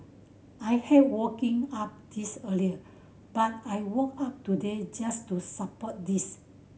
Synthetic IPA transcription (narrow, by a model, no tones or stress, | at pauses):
ajhɛfwɔkĩŋap̚d̥isəliə | b̥at̚ajwɔkap̚tuded͡ʒastusapɔt̚dis